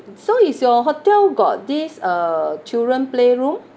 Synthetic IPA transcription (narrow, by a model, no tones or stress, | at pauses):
soisjɔɦotɛlɡɔ̰t̚disət͡ʃildɹə̃npleɹũm